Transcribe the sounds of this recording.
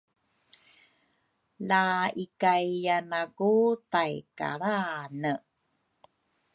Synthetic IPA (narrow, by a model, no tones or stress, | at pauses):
laikajanaɡutajka̰ɭanə